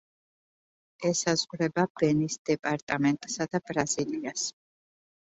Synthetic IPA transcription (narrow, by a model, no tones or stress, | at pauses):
ɛsazʁɾɛbab̥ɛnisd̪̥ɛpʼaɾt̪ʼamɛnt̪ʼsad̪abɾaz̥ilias